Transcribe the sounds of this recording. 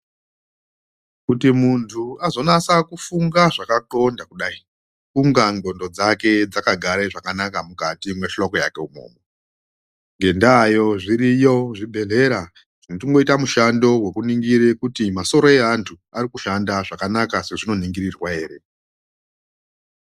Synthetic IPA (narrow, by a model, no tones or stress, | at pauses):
kutimuntʰuazo̞nasakufuŋɡaʐakaǃo̞ndakuɗai | kuŋɡaŋɡo̞ndo̞d͡zake̞d͡zakaɡʱaɾeʐakanakamukatimwe̞ʃoko̞jake̞umo̰ːmo | ŋɡe̞ndajo̞ʐiɾijo̞ʐiɓʱe̞ɮe̞ɾa | ʐinotiŋɡo̞itamuʃando̞we̞kuniŋɡiɾekutimaso̞ɾo̞e̞antʰu | arikuʃandaʐakanakase̞ʐino̞niŋɡirirwae̞ːre̞